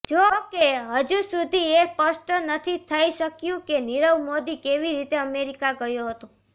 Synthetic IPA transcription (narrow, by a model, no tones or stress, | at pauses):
d͡ʒokeɦəd͡ʒusud̪ʱiepəʃʈənət̪ʰit̪ʰəiʃəkjũkeniɾəʋmod̪ikeʋiɾit̪eəmeɾikaɡəjoɦət̪o